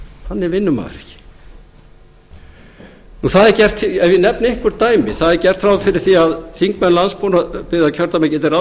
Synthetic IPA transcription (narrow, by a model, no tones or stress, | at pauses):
hanːɛɾvɪnːʏma̰ːðɾɛ̥̰cɪ̥ | nuθaðɛɾcɛr̥t̪ɛvjɪnɛpnɪŋkʏɾt̪aːjmɪθaðɛɾcɛr̥t̪fɾawfɪɾɪɾ̥θiaðθiŋkmɛnlanspʰɔnapɪðacʰœɾt̪amɛcɪt̪ɛɾa